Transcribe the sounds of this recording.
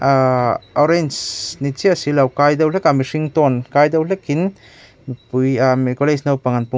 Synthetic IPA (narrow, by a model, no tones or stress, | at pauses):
ʔaʔɔwɾensnit͡siasilawkajdawlekamisiŋt̪ɔnkajd̪awlekin | pujamekɔlejsnawpaŋanpu